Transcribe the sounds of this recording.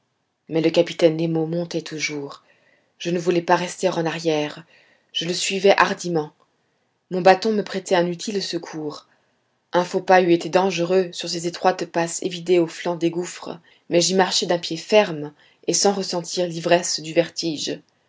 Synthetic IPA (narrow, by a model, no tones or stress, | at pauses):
mɛləkapi̥t̪ɛnːemomɔ̃t̪ɛt̪ʰuʒuːʁ | ʒ̥ənəvulɛpaʁɛst̪eʁɑ̃naʁjɛːʁ | ʒ̥ələsɥivɛʔaʁd̪imɑ̃ | mɔ̃bat̪ɔ̃məpχɛt̪ɛɛ̃nyt̪ʰilsəkʰuːʁ | ɛ̃fopayet̪ed̪ɑ̃ʒəʁøsyʁsezet̪χwat̪pasḛvid̪eoflɑ̃d̪eɡufχə̰ | mɛʒimaʁʃed̪ɛ̃pjefɛʁm | esɑ̃ʁəsɑ̃t̪ʰiʁlivʁɛsd̪yvɛʁt̪iʒ